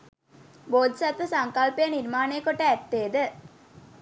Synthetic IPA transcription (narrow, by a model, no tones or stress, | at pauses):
boːd̪sɐt̪ʋəsaŋkalpejəniɾmaːnejəkoʈːəæt̪ːeːd̪ə